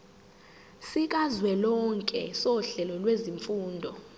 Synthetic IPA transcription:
sik̬ʼazwɛlɔŋkʼɛ̰sɔɬɛlɔlweziɱfuːndʱɔ

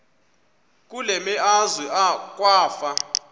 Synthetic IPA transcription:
k̬ʼulɛmɛʔazwiʔak̬ʼwaːfa

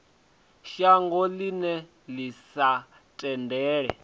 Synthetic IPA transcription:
ʃaŋɡɔlinɛ | lisa | tʼɛndɛːɺɛ̰

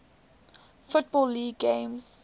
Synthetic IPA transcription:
fʊt̚bɔlːiːɡɡẽmz

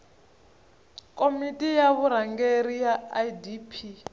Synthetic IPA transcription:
kʼomitʼijaβuɾaŋɡeɾijajdipʰi

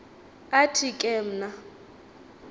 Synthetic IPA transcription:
atʰikʼɛm̩na

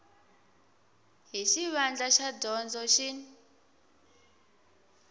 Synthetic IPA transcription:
ɦiʃiβand͡ɮaʃadɔnd͡zɔʃin

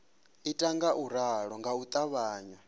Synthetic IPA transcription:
itʼaŋɡaʔuɾaɺɔŋɡaut̪ʼaβaːɲwa

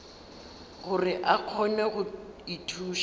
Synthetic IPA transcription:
ɣʊrɪʔaq͡χʰɔnɛɣʊitʰuːʃ

